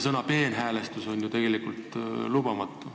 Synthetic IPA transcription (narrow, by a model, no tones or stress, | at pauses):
sɤnɑpe̞ːnɦæːlest̪uso̞nʲjut̪e̞ɡ̥e̞likult̪lubɑmɑt̪ːˑu